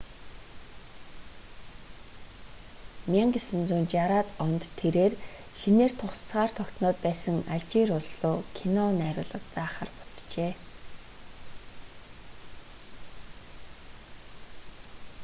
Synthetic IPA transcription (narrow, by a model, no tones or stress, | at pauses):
mʲiŋɡesɘ̆nt͡suːnt͡ɕjaɾaːt̪ɔnt̪ʰːeɾeːr | ʃineːr̥t̪ʰʊχst͡sʁaːr̥t̪ʰɔkʲt̪nɔːt̪̚pæːsə̆ŋaɮt͡ɕiːɾʊɮɮʊːkʰinɔnæːɾʲʊːɮə̆kt͡saːχə̰̆rpʊ̥t͡st͡ɕeː